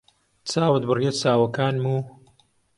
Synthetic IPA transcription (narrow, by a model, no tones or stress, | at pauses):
t͡saːwɨd̪̚bɨrjet͡saːwɐkaːnmuː